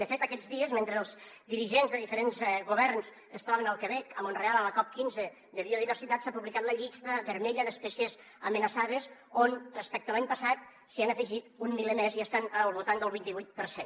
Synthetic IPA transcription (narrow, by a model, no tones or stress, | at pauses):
d̪əfet̪əkɛd͡zðiəzment̪ɾeəlˠzd̪iɾiʒenzðəðifəɾenzɣuβɛɾnskəst̪ɾɔβ̞ənəlˠkəβɛkəmonrealˠələkɔp̚kinzə | ðəβioð̞iβ̞əɾsit̪at̪sapuβlikat̪ləʎist̪əβəɾmɛʎənəspɛsjəz | əmənəsaðəzonrəspɛk̚t̪əlaɲpəsat̪̚ | sianəfəʒit̪unmilemeziəst̪anəlˠβulˠt̪and̪əlˠβint̪iβujt̪̚pəɾsen